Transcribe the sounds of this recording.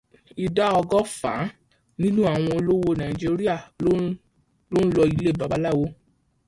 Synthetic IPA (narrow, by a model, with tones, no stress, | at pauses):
i˨da˦ɔ˧ɡɔ˦fa̰˨˦ | nĩ˦nũ˦a˦˨w̃ɔ̃˧o˧lo˦wo˧nã˨ĩ˨d͡ʒi˦˧˦ɾi˦a˦˨˦ | lo˦n̩˦lɔ˧i˧le˦˨ba˨ba˨˦la˦˨wo˦